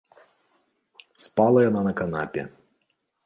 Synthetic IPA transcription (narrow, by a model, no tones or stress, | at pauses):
spɑlˠɐjɐnanɐkɐnɑ̰pʲɛ̰